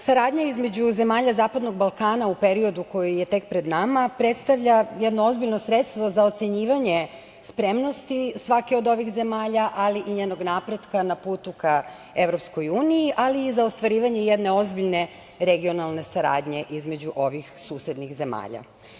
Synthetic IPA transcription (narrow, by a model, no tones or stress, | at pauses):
saɾaːd̪ɲaizme̞d͡ʑuze̞maːʎazaːpad̪no̞ɡ̚balˠkaːnaupeɾio̞d̪uko̞jije̞t̪e̞kpɾe̞d̪namapɾe̞t̪st̪aʋʎajed̪noo̞zbiʎnosɾe̞t̪st̪ʋo̞zao̞t̪se̞ɲiːʋaɲe̞ | spɾe̞mno̞st̪isʋakeod̪o̞ʋixze̞maːʎaʔaliʔiɲeːno̞ɡnapɾe̞d̪kanapuːt̪uka | e̞ʋɾo̞psko̞juːnijiʔaliːzaost̪ʋaɾiːʋaɲe̞jed̪ne̞o̞zbiʎne̞ | ɾeɡio̞nalˠne̞saɾa̰ːd̪ɲe̞ʔizme̞d͡ʑuʔo̞ʋixsuːsje̞d̪nixze̞ma̰ːʎa̰